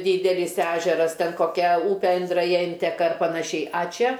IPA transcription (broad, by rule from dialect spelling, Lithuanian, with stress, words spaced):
ˈdʲiːdʲɛlʲɪs ˈæːʒʲɛrɐs ˈtʲɛn koːˈkʲɛ ˈuːpʲɛ ɪndrɐˈjɛ ˈɪnʲtʲɛkɐ ɐr pɐnɐˈʃʲɛɪ ɐ ˈt͡ʃʲɛ